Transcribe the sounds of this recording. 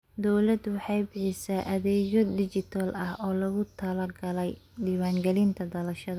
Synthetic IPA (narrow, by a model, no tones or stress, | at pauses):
d̪ɔwlɐd̪wɑħɑjbɪħɪsaːʔɐðɛːɣɔd̪ɪt͡ʃɪt̪ʰɐlɐhɔːlɐɣʊt̪ʰɐlɐɡɐlɛjdiːwaːŋɡɛlɪnt̪ʰɐd̪ɐlɐʃɐðɐ